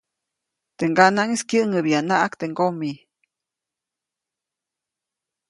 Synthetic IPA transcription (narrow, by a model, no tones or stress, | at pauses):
t̪eŋɡanaŋiskjəʔŋəβianaʔakt̪eŋɡomi